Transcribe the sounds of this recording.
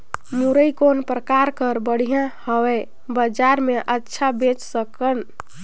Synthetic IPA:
muɾəikonpɾəkaɾkəɾbəɽ̤ijãhəwɛ | bəd͡ʒaɾmeʔətːʃʰabet͡ʃsəkən

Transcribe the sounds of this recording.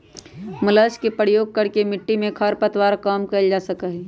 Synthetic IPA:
mʊləskepəɾjoːɡ̚kəɾkemɪʈːimẽkʰəɾpət̪waːɾkaːmkɐld͡ʒaːsəkəɦɛ

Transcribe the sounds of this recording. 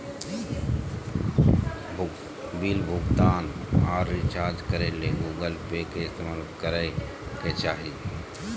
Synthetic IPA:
bilbʱʊɡt̪aːnaːɾːit͡ʃaːɾd͡ʒkəɾeleɡuːɡəlpekesəməɾt̪kəɾə | ket͡ʃaːɦid̪

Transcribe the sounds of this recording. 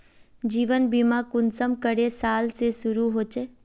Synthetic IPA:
d͡ʒiːʋənbimãkʊnsəmkəɽesaːlsesʊɾuɦoːt͡ʃe

